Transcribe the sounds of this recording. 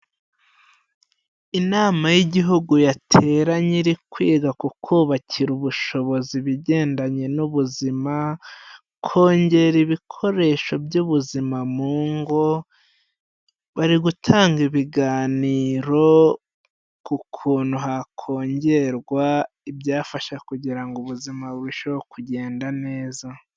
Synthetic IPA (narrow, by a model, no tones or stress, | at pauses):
inaːmajiɟiɦuɡujatʰe̞ːɾaɲiɾikwiːɡakukʰuːβacʰiɾuβuʃo̞βo̞ziβiɟe̞ːndaɲe̞nuβuzima | kʰo̞ːɲɟe̞ɾiβikʰo̞ɾe̞ːʃo̞bjuβuzimamuːŋɡo | βaɾiɡutʰaːŋɡiβiɡaːniːɾo̞ | kukʰuːnuɦakʰo̞ːɲɟe̞ɾɡwa | ibjaːfaʃakuɟiɾaŋɡuβuzimaβuβiʃoβokuɟe̞ːndane̞ːza